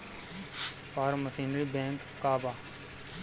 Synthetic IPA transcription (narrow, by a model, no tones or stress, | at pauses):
paːɾməsiːnɾiːbẽːŋkːaːbaː